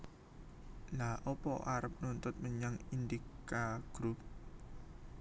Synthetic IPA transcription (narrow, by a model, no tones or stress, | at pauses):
laʔɔpɔ̰ʔaɾəp̚nunt̪ʊt̪̚məɲaŋind̪ikkaɡ̥ɾup̚